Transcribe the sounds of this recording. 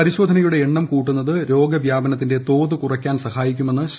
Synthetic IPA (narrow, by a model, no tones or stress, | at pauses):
ɐɾiɕo̞ːd̪ʱɐnɐjuɽe̞ːɳːɐmkuːʈːunːɐðɨɾo̞ːɡɐʋjaːbɐnɐt̪ːinde̞t̪o̞ːðɨkurɐkʲːaːnsɐxaːjikʲːume̞nːɨɕ